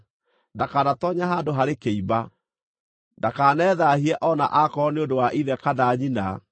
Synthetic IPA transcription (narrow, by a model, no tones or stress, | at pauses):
ndakanatɔɲaɦaːdoɦaɾekeiba | ndakanɛðahiɛʔɔna̰ʔakɔneondowaʔiðɛkadaɲina